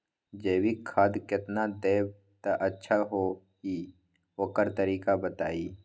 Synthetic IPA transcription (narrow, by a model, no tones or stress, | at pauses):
d͡ʒeːwikʰad̪kɪt̪nad̪eːb | t̪aʔətːʃʰaɦo | i | oːkəɾt̪əɾiːkabət̪a̰ːiː